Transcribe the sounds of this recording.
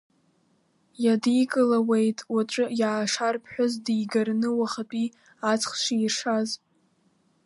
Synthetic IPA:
jadijkʼɨlawejtʼwat͡ʃʷʼɨjaːʂarpʰħʷᶣʊzdijɡarnɨwaχapʼi | at͡sʰʼχʃʷiːrʂaz

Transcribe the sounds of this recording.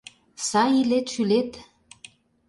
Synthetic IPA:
sɑilet̪ʃylet̪

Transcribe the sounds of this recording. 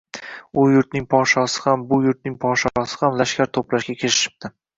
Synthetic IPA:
ʊjʊɾt̪̚nɪŋpʰɒʃɒsɪ̥hambʊjʊɾt̪̚nɪŋpʰɒʃɒsɪ̥hamlaʃkʲaɾt̪ʰoplaʃɡʲakʲʰeɾɪʃɪ̥p̚t̪ɪ

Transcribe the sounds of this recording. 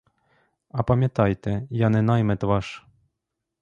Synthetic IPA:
ɐpɐmʲat̪ɑjt̪ɛjanɛnɑjmɛt̪vɑʂ

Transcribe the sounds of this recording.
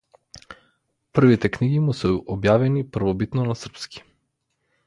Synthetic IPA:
pr̩vit̪ɛkniɡimusɛɔbjavɛnipr̩vɔbit̪nɔnasr̩pski̥

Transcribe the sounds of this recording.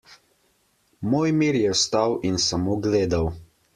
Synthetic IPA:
moːjmiːɾjɛwst̪awinsamoɡleːd̪aw

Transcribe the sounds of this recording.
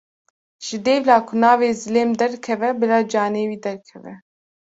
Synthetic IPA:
ʒ̥ɪd̪eːvlaːkʰʊnaːveːzɪleːmd̪ɛɾkʰɛvɛbɨɾaːd͡ʒaːneːwiːd̪ɛɾkʰɛvɛ

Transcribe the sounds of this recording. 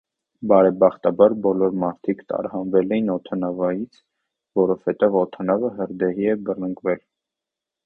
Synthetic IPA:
bɑɾɛbɑχt̪ɑbɑɾbɔlɔɾmɑɾt̪ʰikt̪ɑ̰ɾhɑnvɛlɛjinɔt̪ʰɑnɑvɑjit͡sʰ | vɔɾɔv̥hɛt̪ɛvɔt̪ʰɑnɑvəɦəɾd̪ɛɦiɛbərnəŋɡvɛl

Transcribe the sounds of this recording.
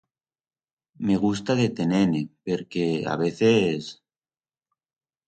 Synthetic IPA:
me̞ɣ̞us̬t̪aðet̪e̞nenepeɾkea̰βeθes

